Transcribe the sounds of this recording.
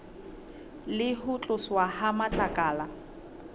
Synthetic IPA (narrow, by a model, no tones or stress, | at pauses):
lɪhʊt͡ɬʼʊswaɦamat͡ɬʼakʼaːla